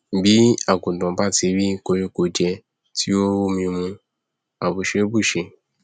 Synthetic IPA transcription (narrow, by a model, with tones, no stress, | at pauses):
bi˨˦a˦˨ɡo˨dɔ̃˨˦ba˦˨ti˧˦ɾi˦ko˧jo˦ko˧˨d͡ʒɛ˧ | ti˦o˦mĩ˧mũ˧ | a˨bo˨ʃe˧o˦bu˦˨ʃe˧